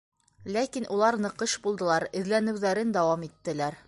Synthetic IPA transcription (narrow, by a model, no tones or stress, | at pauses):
lækinʔulˠɑɾnɤ̆qɤʃbulˠd̪ɤ̆lˠɑɾɘ̆ðlænɘ̆wðæɾɘnd̪ɒwɑmit̪ːɘ̆læɾ